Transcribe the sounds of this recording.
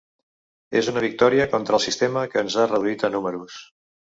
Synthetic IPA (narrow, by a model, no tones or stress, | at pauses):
ezunəβik̚t̪ɔɾiəkɔnt̪ɾəlˠsist̪eməkəːnzarəðuit̪ənuməɾus